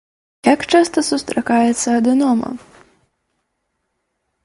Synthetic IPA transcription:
jakt͡ʂast̪ɐsust̪ɾakajɛt̪sːɐɐd̪ɨnɔmɐ̰

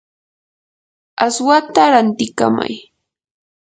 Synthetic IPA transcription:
aswat̪aɾant̪ɪka̰ma̰j

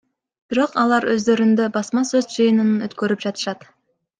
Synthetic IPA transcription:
b̥iɾo̞qɑlˠɑɾøzd̪ø̞ɾynd̪øbɑsmɑsøzd͡ʒɯjɯnɯnɯøt̪kø̞ɾyp̚d͡ʒɑt̪ə̥ʃɑt̪

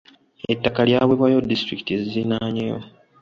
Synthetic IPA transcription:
etːakaljaːβwe̞βwajo̞dːistɾiki̥tiezizinaɲejo̰

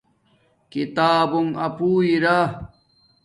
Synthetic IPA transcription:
kit̪aːbumɐpuːiɾa

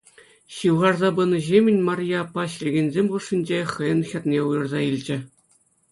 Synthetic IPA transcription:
ɕɯwʁɑrzɑbɯnɤ̆ʑemʲɘ̆nʲmɑrʲjɑpːɑɕlʲeɡʲenʲzʲemʲʁuʂːinʲd͡ʑeχɤjɤ̆nxʲɑt̪nʲeujɤ̆rzɑilʲd͡ʑɘ̆

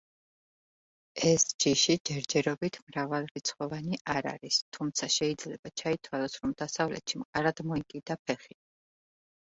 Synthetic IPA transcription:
ɛsd͡ʒiʃid͡ʒɛɾd͡ʒɛɾɔbit̪ʰmɾavalˠɾit̪sʰχɔvaniʔaɾa̰ɾist̪ʰumt̪sʰaʃɛid̪zlɛbat͡ʃʰait̪ʰwalˠɔsɾɔmd̪asavlɛ̰t̪ʃimqʼaɾad̪mɔikʼid̪apʰɛχi

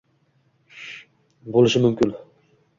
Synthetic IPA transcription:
bolˠɪʃɪmʊmkʲɪn

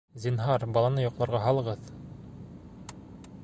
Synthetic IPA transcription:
zʲinɦɑɾbɑlˠɑnɤjŏqlˠɑɾʁɑɦɑlˠɤ̆ʁɤð

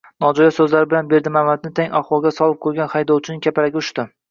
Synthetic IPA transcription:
nɒd͡ʒɒjasɵzlaɾɪbɪlanbe̞ɾd̪ɪmamad̪̚nɪt̪ʰeŋʲaχwɒlˠɡʲasɒlˠɪp̚kʰɵɾɡʲanχajd̪ɒwt͡ʃʰɪnɪŋʲkʲʰapaɾaɡʲaʊʃt̪ɪ

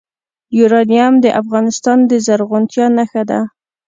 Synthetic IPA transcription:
juɾɑnijamd̪əʔafɣɑnɪst̪ɑnd̪əzaɾɣʊnt̪jɑnaxad̪a̰

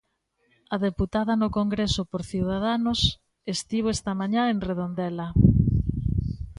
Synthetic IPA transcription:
ɐðeput̪aðɐnʊkoŋɡɾesʊpoɾθiwð̞aðanʊs | est̪iβoɛst̪ɐmaɲaeŋreðond̪ɛlɐ

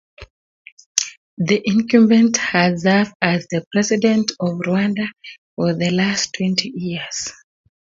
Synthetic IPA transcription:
ðiʔɪ̃ŋkubɛ̃nthɨzɛvdazðəpʰɹ̥ɛzidɛ̃ntɔvɹuãndafɔðəlastʰwɛ̃ntʰijiəz̥

